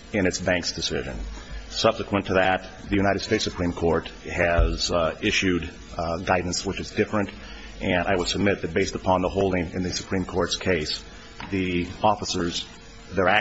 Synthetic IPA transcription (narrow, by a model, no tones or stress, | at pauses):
ɨ̃ñɨtsbæ̃ŋksd̥ɨsɪ̰ʒɨ̰̃nsʌb̥sɨkʰwə̃ntʰɨðɨt̪̚ | ðɨjʉñaɪɾɨd̥steɪtsɨpʰɹ̥ĩmkʰɔɹthɨz̥ɪʃʉd | ɡaɪdⁿn̩swət͡ʃɨzdɪfɹɨ̃nt | ʔɨ̃naɪwəd̥səb̚mɪt̪̚ðɨt̚b̥eɪstəpʰɑ̃nðəɦoʊlˠdɪ̃ŋɨ̃nðɨsɨ̥pʰɹ̥ĩmkʰɔɹtskʰeɪs | ðiɔfəsə˞z | ðə˞æ